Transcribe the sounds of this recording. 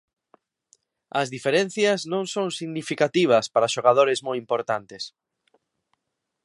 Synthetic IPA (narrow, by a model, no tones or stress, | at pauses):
ɐzðifeɾen̟θjɐznõŋsoŋsiɣnifikat̪iβ̞ɐspaɾaʃoɣaðoɾɪzmojimpoɾt̪ant̪es